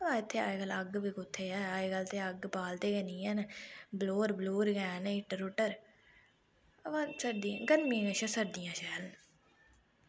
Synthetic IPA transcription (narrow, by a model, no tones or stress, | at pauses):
əʋãːɪt̪ʰːeːa̰ːeɡələɡbiːkʊt̪ʰːeːaːaːeːɡəlt̪eːəɡpaːlt̪eːɡənĩːənbloːɾbloːɾɡɛːnɪʈɾʊʈəɾ | əʋãːsəɾd̪ĩɡənmĩːnəʃaːsəɾd̪ɪjãːʃɛːln